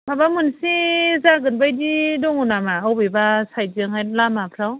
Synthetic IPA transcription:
babamunsizaɡɯnbajdidɔŋunamaawbibasajzɯŋhajlamapʰɾaw

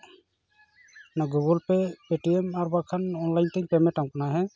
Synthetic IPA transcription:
naɡuɡɔlpɛpeʈiɛmaɾbakʰanɔnlajnt̪ɛŋpɛmɛtamkanaɦɛ

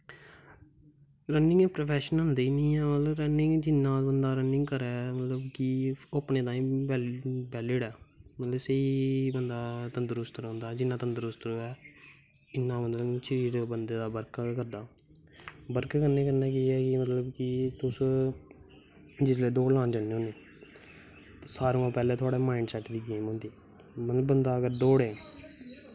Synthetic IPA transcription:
ɾənɪ̃ŋɡɛːpɾoːpʰɛːʃənɦənd̪eːiːnĩːɛːmət̪ləbɾənɪŋɡd͡ʒɪnːãːbənd̪aːɾənɪŋɡkəɾɛːmət̪ləbkiʊpnẽːt̪ãːĩːbɛːbɛːlɪɖɛːmət̪ləbsəiːbənd̪aːt̪ənd̪əɾʊst̪əɾɦʊ̃nd̪aːd͡ʒɪnːãːt̪ənd̪əɾʊst̪ɾoːɛː | ɪnːãːmət̪ləʃəɾiːɾbənd̪eːd̪aːbəɾkkəɾd̪aː | bəɾkːkəɾneːkəɾnaːkiːɛːkɪmət̪ləbkɪt̪ʊs | d͡ʒɪsleːd̪oːlãːnd͡ʒəneõːneː | saːɾõːãːpɛːleːt̪ʰʊaːɽeːmaːɪɳɖsɛːʈd̪iːɡeːmɦõːnd̪iː | mət̪ləbənd̪aːəɡəɾd̪oːɽeː

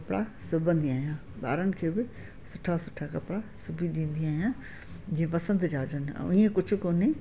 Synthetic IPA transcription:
ɐpɽasʊbʱə̃nd̪iaːɦjãː | ɓa̰ːɾənɪ̆kʰeːbɪ | sʊʈʰasʊʈʰakɐpɽasʊbʱiɗĩːnd̪iaːɦijãː | d͡ʑĩːẽpɐsə̃nd̪d͡ʒaːd͡ʒənɪ̰̆̃ĩːẽkʊd͡ʒʱʊ̆koːne

